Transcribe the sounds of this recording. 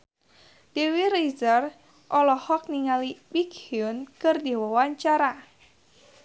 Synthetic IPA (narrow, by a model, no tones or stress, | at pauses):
d̥ewiɾizər | ʔɔlɔhɔk̚niŋalibikhiunkɨrdiwɔwaɲt͡ʃaɾa